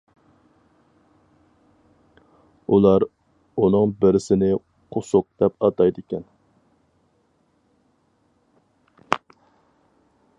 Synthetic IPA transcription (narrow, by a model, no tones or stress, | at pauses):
ulˠɑɾ | unɨŋbɪɾɪsɪnɪ | qʰosʊq̚d̪̥ɛpɑt̪ɑjd̪ɪkʲɛn